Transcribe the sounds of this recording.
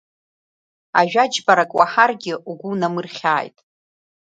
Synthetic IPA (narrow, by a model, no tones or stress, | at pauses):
a̰ʒᶣad͡ʒbaɾakʼwaħarɡʲɪʔuɡʷunamɨrχʲaːjtʼ